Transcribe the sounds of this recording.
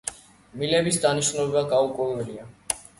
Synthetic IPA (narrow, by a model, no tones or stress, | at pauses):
milɛbisd̪aniʃnɔɛbaɡaukʼulvɛlia